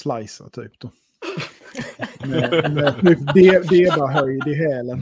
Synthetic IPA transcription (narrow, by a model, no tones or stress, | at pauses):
slajsa̰t̪ʰy̰ːpd̪̥ɔ | mɛmɛt̪ʰyːpd̪eːd̪eːd̪aɦœjd̪ɪɦɛːlən